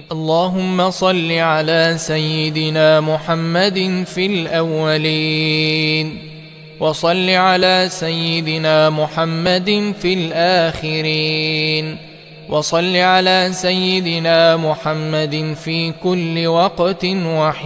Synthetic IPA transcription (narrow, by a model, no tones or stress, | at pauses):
ʔɑlˤːaːɦʊmːasˤɑlːiʕalaːsajːɪd̪ɪnaːmʊħamːad̪nfilʔawːaliː | n | wʔɑsˤɑlːiʕalaːsajːɪd̪ɪnaːmʊħamːad̪nfilʔaːxɪɾiːn | wʔɑsˤɑlːiʕalaːsajːɪd̪ɪnaːmʊħamːad̪ɪfiːkʊlːɪwɑqt̪nwaħɪ